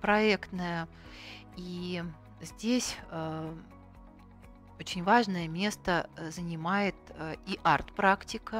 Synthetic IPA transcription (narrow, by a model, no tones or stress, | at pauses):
pɾɐekt̪nəjə | i | zʲdʲesʲ | ot͡ɕɪnʲvaʐnəjəmʲe̞st̪əzənʲɪmajɪt̪iʔart̪pɾaktʲɪkə